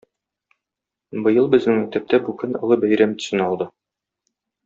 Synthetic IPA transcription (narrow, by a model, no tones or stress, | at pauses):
bɤ̆jɤlˠbɘ̆znɘŋæt̪æp̚t̪ʰæbʉkɘnɤ̆lˠɤbæjɾæmt̪ɵ̥̆sɘ̆nɒlˠd̪ɤ